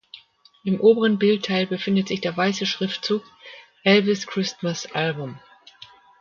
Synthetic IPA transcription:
ʔɪmʔoːbəʁənbɪlttʰaɪlbəfɪndətz̥ɪçd̥eːɐvaɪsəʃʁ̥ɪftt͡suːk̚ | ʔɛlvɪskʁ̥ɪstmasʔalbʊm

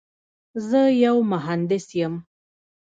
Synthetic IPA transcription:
zəjawmʊɦand̪ɪsjəm

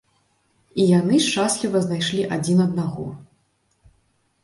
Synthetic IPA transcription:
ijanɨʂt͡ʂaslʲivɐznajʂlʲiʔad͡zʲinɐd̪̚naɣɔ

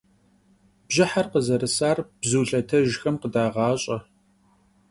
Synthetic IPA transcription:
b̥ʒɪħarqəzɐɾɨsaːrb̥zuːɬɐtʰɐʒxɐmqədaːʁɑːɕʼɐ

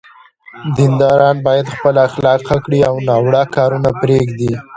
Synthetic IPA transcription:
d̪ɪnd̪ɑɾɑnbɑjad̪xpəlaːxlɑqakɽiawnɑwɽakɑɾunapɾeɡd̪i

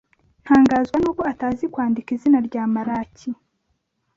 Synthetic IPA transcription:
n̥haːŋɡaːzɡwanuːkoataːzikwaːndikizinaɾɟaːmaɾaːci

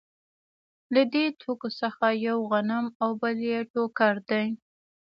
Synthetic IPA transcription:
lad̪et̪ʰokosəxajawɣanamawbəljeʈokaɾd̪aj

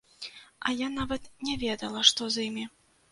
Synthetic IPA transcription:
ɐjanavɐt̪nʲɛvʲɛd̪ɐlˠɐʂt̪ɔzimʲi

